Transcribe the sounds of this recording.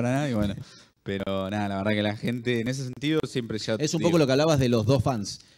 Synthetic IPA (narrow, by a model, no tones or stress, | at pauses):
ɾanaðaiβweno | peɾonaðalaβeɾðakelaxent̪eːnes̬es̬e̞nt̪iðosje̞mpɾeʃaesumokolo̞keaβlaβazðelo̞zðo̞sfans